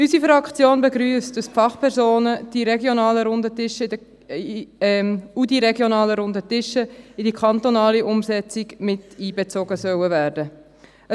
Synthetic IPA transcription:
ysifɾɑkt͡sjoːnbəɡɾyːəst̚d̥ɑspfɑχpʰɛɾsoːnəd̥iɾɛɡjonɑːləɾʊndətɪʃə | udiɾɛɡjonɑːləɾʊndətɪʃəɪdikχɑntonɑːliʔʊmsɛt͡sɪkmɪtiːbət͡soɡəsœwəvæːɾdə | ə

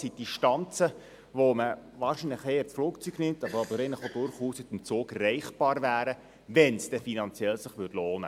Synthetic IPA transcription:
sid̥iʃtɑnt͡sə | ʋoməʋɑːʃinlɪχeːət͡sfloːkt͡syɡ̥nɪmt̪ɑbəɾɑbəɾɛɪnləχod̥ʊɾχuːsɪt̪mt͡soːɡrɛɪχb̥ɑːɾvæːɾə | vɛnsd̥ɛfinɑnt͡sjɛlsɪχʋʏtloːnə̰

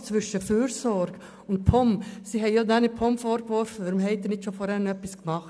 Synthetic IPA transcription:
t͡sʋʏʃəfyːɾsɔɾɡ̥ | ʊnt̚pʰɔmsiɦɛɪjod̪æːnɪpʰɔmfɔɾkʋɔɾfəʋæɾʊmɦɛɪt̪ːənɪtʃofɔɾɛnənœpːiskmɑχt

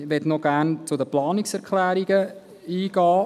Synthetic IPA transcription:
ʋɛtnɔɡæʁnt͡sʊdəplɑːnɪksɛɾkʰlæːɾiɡə | iːɡɑː

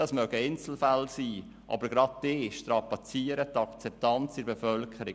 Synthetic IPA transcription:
d̥ɑsmœɡəɪnt͡sl̩fælsiː | ʔɑ̰bəɾɡɾɑt̚d̥eːʃtɾɑpɑt͡siəɾət̪ɑkt͡sɛp̚tɑnt͡sɪɾbefœlkʰəɾɪ

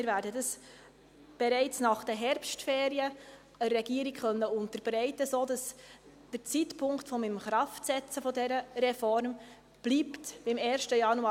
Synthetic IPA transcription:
mɪɾvæːɾdədɑs | b̥ɛɾɛɪt͡snɑχd̥ɛɦɛɾpʃtfeːɾiə | əɾɛɡiəɾiɡχœnːəʊntəɾb̥ɾɛɪtəsoːdɑs | d̥əɾt͡sitpʰʊŋktfɔmɪmχɾɑftsɛt͡səfɔdɛɾəɾɛfɔɾm | b̥liːptb̥ɪmɛːɾʃtəjɑnu

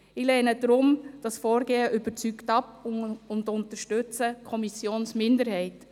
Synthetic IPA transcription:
ɪlɛnədɾʊmd̥ɑsfɔːɾɡeːəʔyb̥əɾt͡syktɑpʊndʊntəʃtøt͡səkʰɔmisjoːnsmɪndəɾhɛɪt

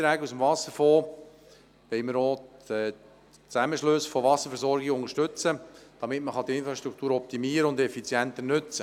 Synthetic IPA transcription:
t̪ɾæːɡusəmvɑsəɾfɔː | ʋɛɪməɾoːɛ | t͡sæməʃlɵsfɔʋɑsəɾfɛɾsɔɾɡɪɡʊŋəʃtɵt͡səd̥ɑmɪtməχɑd̥̪iɪnfɾɑʃt̪ɾukʰt̪uːɾɔp̚t̪imiːəɾəʊnd̪ɛfit͡sjɛnt̪ənʏt͡sə

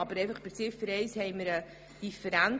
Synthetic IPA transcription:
ɑbəɾɛɪfəχpɪɾt͡sɪfəɾɛɪshɛɪməɾə | d̥ifəɾæn

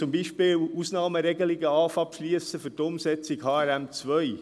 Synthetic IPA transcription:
t͡sʊmbiːʃpɪːlusnɑːməɾɛɡəliɡəɑːfɑpʃliəsəfʏɾtʊmsɛt͡sɪɡhɑːɛɾæmt͡sʋœʏ

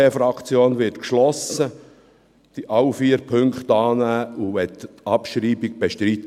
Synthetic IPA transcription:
efɾɑkt͡sjoːnʋɪtkʃlɔsə | d̥iʔɑwfiːəɾpʰʏŋkχt̪ɑːnæːuʋɛtɑpʃɾiːbik̚b̥eʃtɾitː

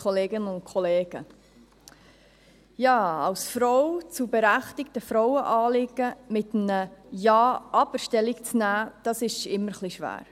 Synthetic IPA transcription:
ɔleːɡənʊnt̚kʰɔleːɡ̥ə̰ | jɑːɑlsfɾɔwt͡subɛɾæχtɪk̚təfɾɔwəʔɑːlɪɡ̥əmɪtm̩nəjɑːʔɑbəɾʃtɛlːikt͡snæːd̥ɑsɪʃɪmːəɾχliʃʋæ̰ːɾ

